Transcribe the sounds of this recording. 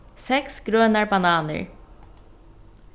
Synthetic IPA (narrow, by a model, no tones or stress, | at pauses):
sɛksɡ̥ɾœnaɹbanɑːnə̰ɹ